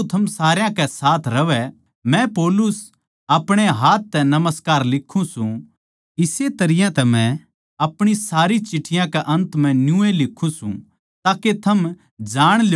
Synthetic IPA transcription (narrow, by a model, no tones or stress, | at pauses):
t̪ʰɐmsaːɾjãkɛsaːt̪ʰɾɐʋɛ | mɛ̃pɔːlʊs | ɐpɽ̃eɦaːt̪̚ːɛnɐməskaːɾlɪkʰːũsũ | ɪset̪ɐɾɪjãt̪ɛmɛ̃ | ɐpɽ̃isaːɾit͡ʃɪʈʰːɪjãkɛʔɐ̃nt̪mɛ̃njũelɪkʰːũsṵ̃ | t̪aːket̪ʰɐm | d͡ʒaːɽ̃l